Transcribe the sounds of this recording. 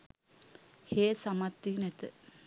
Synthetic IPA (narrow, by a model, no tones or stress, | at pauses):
heːsamɐt̪ːinɛt̪ə